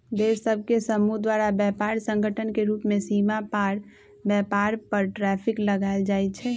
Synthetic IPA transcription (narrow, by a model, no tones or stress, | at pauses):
d̪eʃsəb̚ʱkesəmud̪waɾabjɛpaːɾsə̃ŋɡʱəʈʰənkeɾuːpmẽsimapaːɾ | bjɛpaːɾpəɾʈɾɛpʰikləɡaeld͡ʒaːjt͡ʃʰɛ